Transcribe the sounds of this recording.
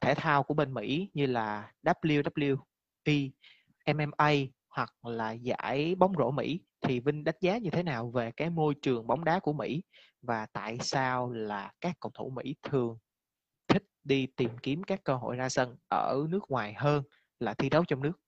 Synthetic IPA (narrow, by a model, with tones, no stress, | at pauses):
t̪ʰe˧˩t̪ʰaː˧wku˧˩əɓe˧nmḭ˧˥ɲɨ˧laː˨˩ɗa˦˥p̚li˧əwɗaː˦˥p̚li˧əw | ʔi˧˩ | ʔɛ˧mʔɛ˧mʔə˧j | hwa˨˩k̚laː˨˩za̰ː˧˥˩jɓa˨˦wŋ͡mzo̰˧˥˩mḭ˧˥t̪ʰi˨˩vï˧ŋ̟ɗa˦˥jk̚zaː˨˦ɲɨ˧t̪ʰe˨˦naː˨˩wve˨˩kaː˨˦jmo˧jt͡ɕɨ˨˩əŋɓa˨˦wŋ͡mɗaː˨˦ku˧˩əmḭ˧˥ | vaː˨˩t̪a̰ː˧˨jsaː˧wlaː˨˩kaː˦˥kːə̰˧˩wŋ͡mt̪ʰo˧˩mḭ˧˥t̪ʰɨ˨˩əŋ | t̪ʰï˦˥k̟̚ɗi˧t̪i˨˩mki˨˦əmkaː˦˥kːəː˧ɦo̰˧˨jzaː˧sə˧nʔəː˧˩nɨ˦˥ək̚ŋwaː˨˩jɦəː˧n | laː˨˩t̪ʰi˧ɗə˨˦wt͡ɕɔ˧ŋ͡mnɨ˦˥ək̚